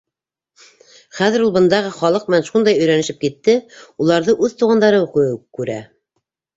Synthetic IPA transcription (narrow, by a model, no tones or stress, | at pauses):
χæðɘ̆ɾulˠbɤ̆nd̪ɑʁɤχɒlˠɤq̚m̆nænʃund̪ɑjɵ̆jɾænɘ̆ʃɘp̚kit̪ːɘulˠɑɾðɤʔʉðt̪uʁɑnd̪ɑɾɤuqɤjkʉɾæ̰